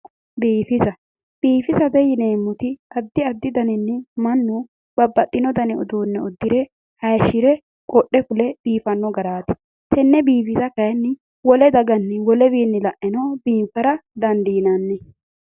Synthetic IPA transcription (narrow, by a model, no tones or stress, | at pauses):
biːfɪzɐ | b̥iːfɪzɐd̪ɛjɪneːmːʊt̪ɪɐd̪ːɪɐd̪ːɪd̪ɐnɛnːɛmɐnːu | b̥ɐbːɐt̪ʼːɪnɔd̪ɐnɛʊd̪uːnːɛʊd̪ːɪɾɛ | hɐjʃɪɾɛ | kʼɔʔːɛkʊlɛbiːfɐnːɔɡɐɾaːt̪ɪ̥ | t̪ɛnːɛbiːfɪzɐkɐjɐnːɪ | wɔlɛd̪ɐɡɐnːɛwɔlɛbiːnːɪlɐʔɛnɐbiːmfɐɾɐd̪ɐnd̪iːnɐnːɛ